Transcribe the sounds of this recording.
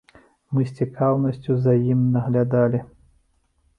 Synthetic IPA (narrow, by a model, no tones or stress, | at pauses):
mɨsʲt͡sʲikʰawnɐsʲt͡sʲuzɐjimnɐɣlʲad̪alʲi